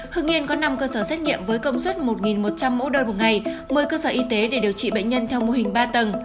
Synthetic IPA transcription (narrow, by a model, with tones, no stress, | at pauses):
hɨ˧ŋʔi˧ənkɔ˨˦na˧mkəː˧səː˧˩sɛ˦˥t̚ŋḭ˧˨əmvəː˨˦jkə˧wŋ͡mswə˦˥t̚mo˨˩t̚ŋi˨˩nmo˨˩t̚t͡ɕa˧mːo̰˧˥ɗəː˧nmo˨˩ŋa˨˩jmə˨˩jkəː˧səː˧˩ʔi˧t̪e˨˦ɗe˧˩ɗi˨˩əwt͡ɕḭ˧˨ɓə̰˧˨ŋ̟ɲə˧nt̪ʰɛ˧wmo˧ɦï˨˩ŋ̟ɓaː˧t̪ə˨˩n